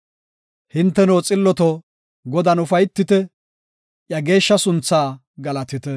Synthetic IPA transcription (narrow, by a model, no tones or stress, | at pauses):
hɪnt̪ːɛnowt͡sʼɪlːɔt̪ɔ | ɡɔd̪ɐnʊfɐjt̪ːɪt̪ɛ | ʔjɐɡe̞ːʃːɐsʊnt͡sːaː | ɡɐlɐt̪ɪt̪ɛ